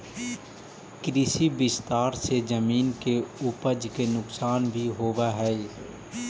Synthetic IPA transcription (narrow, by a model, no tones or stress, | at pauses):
kɾɪsibɪst̪aːɾsed͡ʒəmiːnkeʊpəd͡ʒkenʊksaːnbʱiɦoːʋaɦɛː